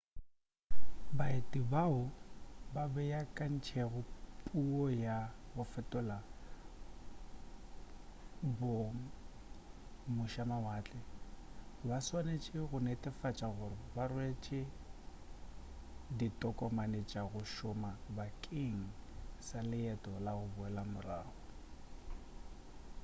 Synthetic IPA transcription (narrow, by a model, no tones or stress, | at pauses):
baetʼibaʊbabɛjakʼan̩t͡ʃʰɛɣʊpʼuɔjabʊfɛtʼɔla | bʊ | mʊʃamawaːt͡ɬʼɛ | baswanet͡ʃʼɪɣʊnetʼɪfat͡ʃʼaɣʊrɪbarʊet͡ʃʼɪ | ditʼɔkʼɔmanet͡ʃʼaɣʊʃʊmabakʼɪŋ̩salɪɛtʼɔlaɣʊbʊɛlamʊraːɣʊ